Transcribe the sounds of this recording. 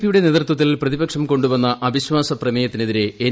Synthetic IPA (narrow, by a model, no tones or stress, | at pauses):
pːijuɽe̞ne̞ːðrt̪wɐt̪ːilprɐðibɐkʂɐmko̞ɳɖubɐnːɐʔɐbʱiɕʋaːsɐprɐmejɐt̪ːine̞ðiɾeː